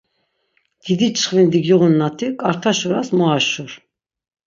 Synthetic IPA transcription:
d̪̥id̪it͡ʃʰχvind̪iɡjiʁunːat̪ʰikʼaɾt̪ʰaʃɔɾasmɔaʃuɾ

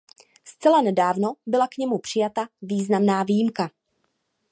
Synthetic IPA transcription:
st͡sɛlanɛdaːvno̞bɪlakɲɛmupr̝̥ɪjat̪aviːznamnaːvijɪmka

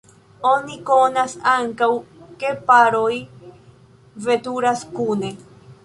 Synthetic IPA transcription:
onikonasaŋkawkepaɾoj | vet̪uɾaskune

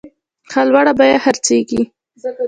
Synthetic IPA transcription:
xalwaɽabajahaɾt͡seɡi

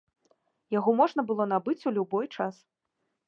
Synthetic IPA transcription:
jaɣɔmɔʐn̪ɐbɨlˠɔnabɨt͡sʲulʲubɔjt͡ʂas

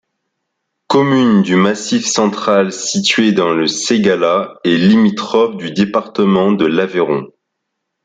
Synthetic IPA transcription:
kɔmynd̪ymasifsɑ̃t̪χalsit̪ɥed̪ɑ̃ləseɡalaɛlimit̪χɔfd̪yd̪epaʁt̪əmɑ̃d̪əlaveʁɔ̃

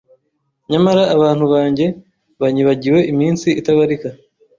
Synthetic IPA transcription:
ɲamaɾaʔːβaːn̥huβaːɲɟe̞ | βaɲiβaɟiwe̞ʔimiːnsiitaβaɾika

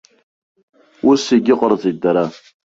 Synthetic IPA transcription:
usiɡʲɪqʼərzʼidaɾa

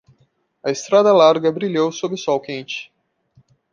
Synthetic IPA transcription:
ɐest̪ɾad̪ɐlaɾɡɐbɾiʎowsobɾɪsɔwkẽnt͡ʃɪ̥

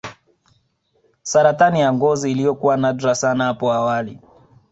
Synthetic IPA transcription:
saɾatanijaŋɡɔziːlijɔkuwanadɾasanahapɔawali

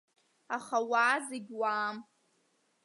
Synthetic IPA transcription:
aχawaːzɪɡʲwaːm

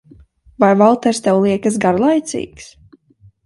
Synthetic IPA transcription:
vajvalˠt̪ɛɾst̪ɛwlˠiɛkəs̬ɡaɾlˠajt̪sḭːks

